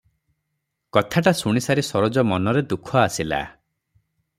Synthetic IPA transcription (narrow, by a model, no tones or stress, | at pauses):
kɔt̪ʰaʈasuɽ̃isaɾisɔɾɔd͡ʒɔmɔnɔɾed̪ukʰɔasila̰